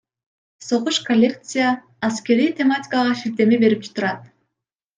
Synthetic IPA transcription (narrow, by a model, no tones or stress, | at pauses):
so̞ʁuʃkolʲːe̞kt̪sɨjaː | skʲe̞ɾijt̪ʲe̞matʲɪ̥kaʁɑʃiɾt̪e̞mibe̞ɾip̚t͡ʃʰu̥t̪uɾɑt̪̚